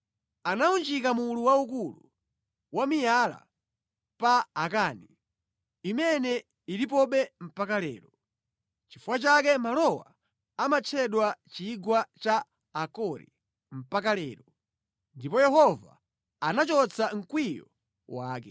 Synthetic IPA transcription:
anaund͡ʒikamuluwaukulṵ | wamijala̰ | paːkani | imɛnɛ | iɾip̬ɔɓɛm̩pakalɛ̰ːɾɔ | t͡ʃifuwat͡ʃakɛmalɔwa | amat͡ʃʰɛɗwat͡ʃiɡwat͡ʃaː | kɔɾḭ | m̩pakalɛːɾɔ | ndipɔjɛhɔva̰ | anat͡ʃɔt͡sʰaŋ̩kwijɔ | waːkɛ

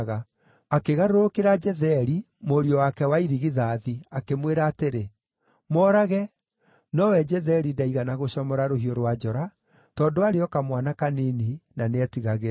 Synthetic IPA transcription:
ɣa | akeɣaɾoɾokeɾad͡ʒɛðɛɾi | moɾiɔwakɛwaiɾiɣiðaːðiakemweɾaːteɾe | mɔːɾaɣɛ | nɔwɛd͡ʒɛðɛɾidaiɣanaɣoɕɔmɔɾaɾohioɾwad͡ʒɔɾa | tɔːndoaɾeɔkamwanakanininaneɛtiɣaɣeɾ

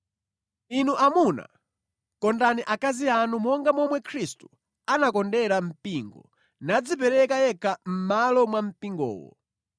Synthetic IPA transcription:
inuʔamuna̰ | kɔndaniʔakazianumɔŋɡamɔmwɛkʰɾistu̥ | anakɔndɛɾam̩piŋɡɔ̰ | nad͡zipɛɾɛkajɛkʰam̩malɔmwam̩piŋɡɔ̰ːwɔ̰

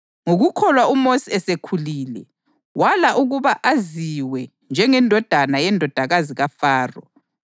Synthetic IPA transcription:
ŋuɣukʰɔlwaumosiɛsekʰuliːlɛ | walaʔuɣuβaʔaziwɛ | nd͡ʒʱɛŋɛndʱɔd̥ʱanajɛndʱɔd̥ʱaɣaziɣafaːrɔ̰

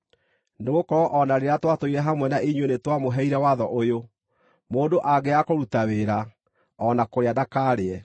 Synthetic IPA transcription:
neɣokɔʔɔnaɾeɾatwatoiɾɛɦamwɛnaʔiɲwenetwamoɦɛiɾɛwaðɔʔojo | moːndoʔaɡeakoɾutaweɾa | ɔnakoɾeadakaːɾeɛ

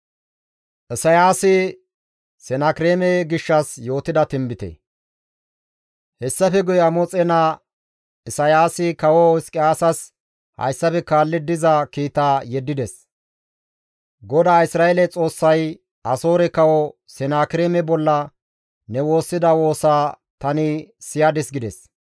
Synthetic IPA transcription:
ʔɪsɐjaːsɪ | sɛnaːkɪɾeːmɛɡɪʃːɐsjo̞ːt̪ɪd̪ɐt̪ɪmbɪt̪ɛ̰ | hɛsːɐfɛɡʊjɐmɔt͡sʼɛna | ɪsɐjaːsɪkɐwɔɪskʼɪaːsɐs | hɐ̰jsːɐfɛkaːlːɪd̪ɪzɐkiːt̪aːjɛd̪ːɪd̪ɛs | ɡɔd̪aːɪsɾaːelɛt͡sʼo̞ːsːɐj | ɐso̞ːɾɛkɐwɔ | sɛnaːkɪɾeːmɛbɔlːɐ | nɛwo̞ːsːɪd̪ɐwo̞ːsaː | t̪ɐnɪsɪjad̪ɛsɡɪd̪ɛs

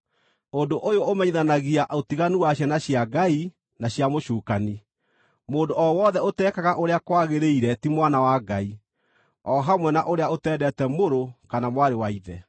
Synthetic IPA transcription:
ondoʔojoomɛɲiðanaɣiaʔotiɣanuwaɕjanaɕjaɡai | naɕjamoɕuːkani | moːndoɔwɔðɛotɛːkaɣaʔoɾeakwaɣeɾeiɾɛtimwanawaɡa̰i | ɔɦamwɛnaʔoɾeaotɛːdɛtɛmoɾokanamwaɾewaiðɛ

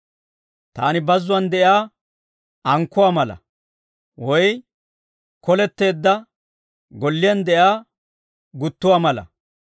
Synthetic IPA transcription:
t̪aːnɪbɐzːʊwɐnd̪ɛjaː | ɐŋkːʊwaːmɐlɐ̰ | wɔj | kɔlɛt̪ːe̞ːd̪ːɐ | ɡɔlːɪjɐnd̪ɛʔjaː | ɡʊt̪ːʊwaːmɐlɐ̰

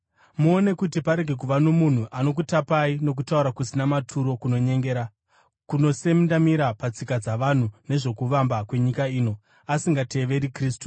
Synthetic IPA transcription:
muone̞kutipaɾe̞ɡʱe̞k̬uʋano̞mun̤uʔano̞k̬utapaino̞k̬utauɾakusinamatʰuɾo̞kuno̞ɲe̞ŋɡeɾa | kuno̞se̞mndamiɾapat͡sikad͡zaʋan̤une̞ʐo̞kuʋambakwe̞ɲikaiːno̞ | asiŋɡate̞ʋe̞ɾikriːstu̥

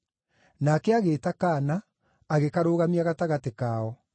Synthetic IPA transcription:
nakɛaɣeːtakaːnaː | ɣekaɾoːɣamiaɣataɣatekaːɔ

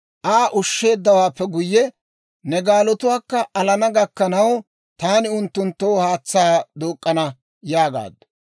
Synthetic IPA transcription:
ʔaːʔʊʃːe̞ːd̪ːɐwaːpːɛɡʊjːɛ | nɛɡaːlɔt̪ʊwaːkːɐʔɐlɐnɐɡɐkːɐnɐw | t̪aːnɪʊnt̪ːʊnt̪ːoːhaːt͡sːaːd̪oːkʼːɐnɐ | jaːɡa̰ːd̪ɐ

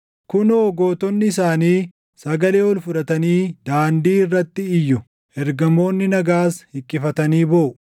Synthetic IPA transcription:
kʊnoːɡoːt̪ɔnːɪɪs̬aːniː | sɐɡɐle̞ːɔlfʊᶑɐt̪ɐniːd̪̥aːnd̪iːɪrːɐt̪ːɪɪjːʊ | ɛɾɡɐmo̞ːnːɪnɐɡaːshɪkʼːɪfɐt̪ɐniːboːʔʊ

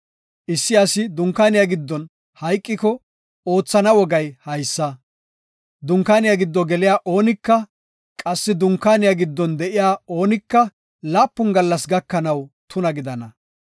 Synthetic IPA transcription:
ʔɪsːɪɐsɪd̪ʊŋkːaːnɪjaɡɪd̪ːɔn | hɐjkʼːɪkɔ | o̞ːt͡sːɐnɐwɔɡɐjhɐjsːɐ | d̪ʊŋkːaːnɪjaɡɪd̪ːɔɡɛlɪjaːʔo̞ːnɪkːɐ | kʼɐsːɪd̪ʊŋkːaːnɪjaːɡɪd̪ːɔnd̪ɛʔɪjaːo̞ːnɪkːɐ | laːpːʊnɡɐlːɐsɡɐkːɐnɐwt̪ʊnɐɡɪd̪ɐnɐ

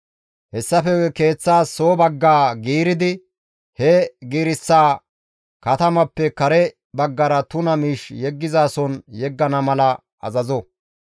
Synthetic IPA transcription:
hɛsːɐfɛke̞ːt͡sːaːsoːbɐɡːaːɡiːɾɪd̪ɪ | hɛɡiːɾɪsːaː | kɐt̪ɐmɐpːɛkɐɾɛ | bɐɡːɐɾɐt̪ʊnɐmiːʃjɛɡːɪzaːsɔnjɛɡːɐnɐmɐlɐ | ɐ̰zɐzɔ

